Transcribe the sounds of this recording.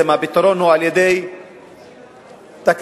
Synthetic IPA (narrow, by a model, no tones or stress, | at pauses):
ɪmabɪt̪ːoɾonhualjɛd̪ej | t̪ak